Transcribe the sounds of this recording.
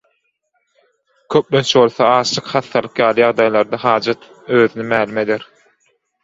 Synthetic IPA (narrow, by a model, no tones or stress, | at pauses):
kʰøp̚lønt͡ʃʰβo̞lˠθoɑːʃlˠɯqχɑθːɑlˠɯqjɑːlˠɯjɑʁd̪ɑjlˠɑɾd̪ɑɦɑːd͡ʒɑt̪ | øːðynymæːlume̞d̪eɾ